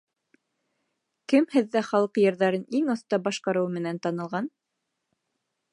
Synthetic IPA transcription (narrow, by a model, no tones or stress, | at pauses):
kɘmhɘðːæχɑlˠɤqjɤ̆ɾðɑɾɤniŋɤ̆θt̪ɑbɑʃqɑɾɤwmɘ̆nænt̪ɑnɤ̆lˠʁɑn